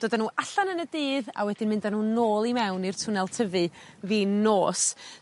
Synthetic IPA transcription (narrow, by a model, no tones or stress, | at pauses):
d̥oːdanuːʔaɬanənədɨːða̰wɛdɪnmɪndanuːnoːlˠimɛwnir̥tʰʊnɛlˠtʰəvɨ | viːnoːs